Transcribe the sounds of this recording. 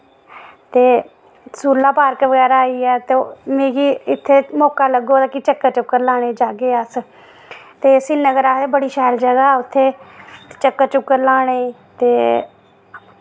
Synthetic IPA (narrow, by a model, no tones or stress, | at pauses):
t̪eː | suːlaːpaːɾkʋəɡɛːɾaːaːiːɛːt̪emẽːɡiːɪt̪ʰːeːmoːkaːləɡoːd̪aːkɪt͡ʃəkːət͡ʃʊkːəɾlaːɽ̃eːd͡ʒaːɡeːəs | t̪eːsɪnːəɡəɾaːt̪eːbəɽiːʃɛːld͡ʒəɡaːʊt̪ʰːeːt͡ʃəkːət͡ʃʊkːəɾlaːɽ̃eː | t̪eː